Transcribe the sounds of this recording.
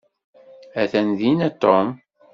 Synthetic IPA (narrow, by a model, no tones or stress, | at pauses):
æθænðinæt̪ːom